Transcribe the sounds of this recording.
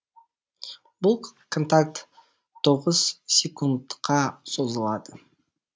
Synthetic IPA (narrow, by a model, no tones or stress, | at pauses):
bulˠkʰont̪ak̚t̪ʰː | o̞ʁəz̥sʲekund̪qɑso̞zəlˠɑd̪ə